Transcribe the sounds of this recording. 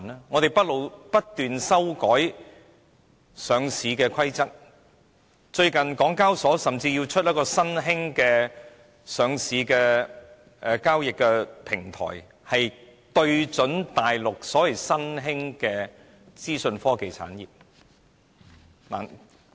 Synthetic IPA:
nɛ˥ŋɔː˨˧t̪e˨jpɐ˥t̚lo˨wpɐ˥t̚t̪yː˨nsɐ˥wkɔː˨˥j | sœː˨˧ŋsiː˨˧kɛː˧kʷʰɐ˥jt͡sɐ˥k̚ | t͡ʃɵ˧ɥkɐ˨nkɔː˨˥ŋkaː˥wsɔː˨˥sɐ˨mt͡siː˧ji˧wt͡ʃʰɵ˥t̚jɐ˥kɔː˧sɐ˥nɦɪ˥ŋkɛː˧ | sœː˨˧ŋsiː˨˧kɛː˧ | ɛ˧kaː˥wjɪ˨kːɛ˧pʰɪ˨˩ŋt̪ʰɔ̰ː˨˩j | hɐ˨j | t̪ɵ˧ɥt͡sɵ˨˥nt̪aː˨˩jlʊ˨k̚sɔː˨˥wɐ˨˩jsɐ˥nɦɪ˥ŋkɛː˧ | t͡siː˥sɵ˧nfɔː˥ke˨jt͡sʰa̰ː˨˥njḭː˨˩p̚ | la˨

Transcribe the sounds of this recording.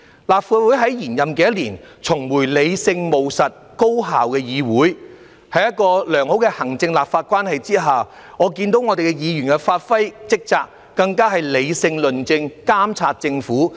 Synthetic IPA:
laː˨p̚faː˧wuː˨˥jɦɐ˨˥jjiː˨˩njɐ˨mk̬ɛ˨˧jɐ˥t̚liː˨˩nt͡sʰʊ˨˩ŋwuː˨˩jle˨˧jsɪ˧ŋmo˨wsɐ˨t̚ | ko˥wɦa̰ː˨wkɛː˧jiː˨˧wuː˨˥j | hɐ˨˧jɐ˥t̚kɔː˧lœː˨˩ŋho˨˥wkɛ˧hɐ˨˩ŋt͡sɪ˧ŋlaː˨p̚faː˧t̚kʷaː˥nhɐ˨jt͡siː˥ɦaː˨ | ŋɔː˨˧kiː˧nt̪o˨˥wŋɔ˨˧t̪e˨jkɛ˧jiː˨˧ɥyː˨˩nkɛ˧faː˧t̚fɐ˥jt͡sɪ˥k̚t͡saː˧k̚ːɐ˧ŋkaː˥ɦɐ˨jle˨˧jsɪ˧ŋlɵ˨nt͡sɪ˧ŋkaː˥mt͡sʰaː˧t̚t͡sɪ˧ŋfuː˨˥

